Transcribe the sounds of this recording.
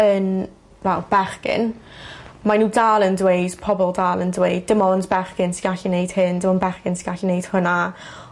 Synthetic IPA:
ən | wɛlˠb̥ɛrkɪ̰n | manuːdaːlˠəndwejd̥pʰɔbɔlˠdaːlˠəndwejd̚ːɪmɔndbɛrkɪnsiɡaɬinejd̥hɪndɪmɔnbɛrkɪnsiɡaɬinejd̥hʊna

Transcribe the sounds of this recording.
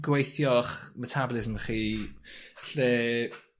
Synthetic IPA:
ɡwejθjɔχmətʰabɔlˠɪzmχiː | ɬɛː

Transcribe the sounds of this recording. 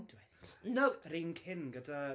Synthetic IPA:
dwɛ | nowɾiːnkʰɪnɡəda

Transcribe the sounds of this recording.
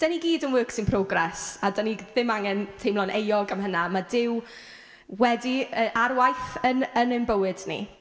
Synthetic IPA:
d̥əniɡiːdənwəːksɪnpʰrɔɡrɛsadəniðɪmaŋɛntʰejmlˠɔnʔejɔɡamɦənamadɪw | wɛdiəʔarwajθənənɨmbəwɨdnḭ

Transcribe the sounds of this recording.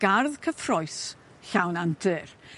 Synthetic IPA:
ɡ̥arðkʰəfrɔjs | ɬawnantʰɨr

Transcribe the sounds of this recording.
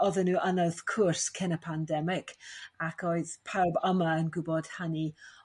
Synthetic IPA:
ɔðənuːʔanəðkʰʊrskʰɛnəpʰandɛmɪkʰakʰɔɨðpʰawbəmaənɡʊbɔd̥hani

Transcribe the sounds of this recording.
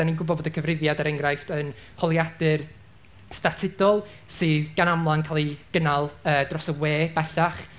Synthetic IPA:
aninɡʊbɔdvodəkʰəvrɪvjadaɾɛŋɡrajftʰən | hɔlˠjadɨr | statʰɪdɔlˠ | sɨːðɡ̥anamlˠankʰalˠiɡ̥ənalˠəːd̥rɔsəweːb̥ɛɬaχ

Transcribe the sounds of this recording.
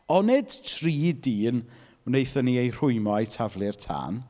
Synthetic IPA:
ɔned̥tʰriːdiːn | nejθəniejr̥ʊɨmajtʰavlˠɪrtʰa̰ːn

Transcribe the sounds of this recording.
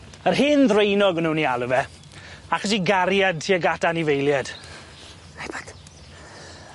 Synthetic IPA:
ərɦɪnðrejnɔɡənuːnialˠəvɛ | akəs̬iɡaɾjad̚tʰiaɡatanivejlˠjɛd̥ | pḁt

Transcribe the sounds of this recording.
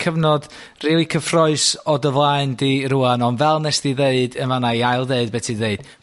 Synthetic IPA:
kʰəvnɔd | riːlˠikʰəfrɔɨsɔdəvlˠaɨndiɾuanɔnvɛlˠnɛsdiðeɨdənvanaiaɨlˠdeɨd̚bɛtʰiðeɨd̥

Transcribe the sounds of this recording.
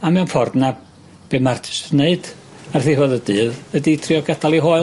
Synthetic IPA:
amɛwnfɔrdna | b̥emartʰɪ̥sneɨd̥ | arθivoːðədɨːðəditʰriɔɡɛdalˠiɦoːɨ

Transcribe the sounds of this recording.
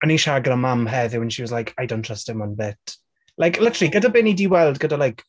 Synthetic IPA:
əniʃaɡəɾəmamɦɛðɪwə̃nʃiwɔzlajkʰajdõntʰɹ̥əstɪmɔnbɪt | lajkʰlɪtəə̥liɡədabɪnidiwɛlˠdɡədalajk

